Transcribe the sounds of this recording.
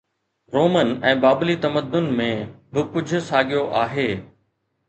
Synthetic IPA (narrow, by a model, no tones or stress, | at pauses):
ɾoːmənɛ̃ːbaːblit̪ɐməd̪ːʊnmẽbɪkʊd͡ʑʱʊ̆saːɠijoʔaːɦeː